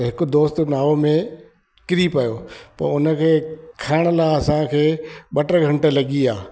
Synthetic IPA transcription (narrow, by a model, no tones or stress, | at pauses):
ɦɪkʊ̆d̪oːst̪naːʋomẽ | kɪɾipɐjoːpɐ̰ɾʊnə̆kʰeːkʰaːɪɽ̃ə̆laːɐsãkʰeːɓɐʈəɾɡʱɐ̃ɳʈə̆lɐɠiaː